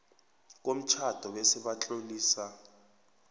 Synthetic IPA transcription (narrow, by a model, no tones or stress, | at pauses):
k̬om̩t͡ʃʰad̥ʱɔɓesiɓat͡ɬʼoliːsa